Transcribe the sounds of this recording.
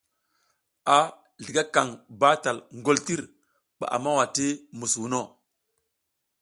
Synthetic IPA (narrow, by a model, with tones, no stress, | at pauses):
a˨ | ɮi˨ɡa˦ka˨ŋba˦ta˨lŋɡo˦lti˦ɾ | ɓa̰˨ʔa̰˨ma˦wa˨ti˦mu˨swu˨no˦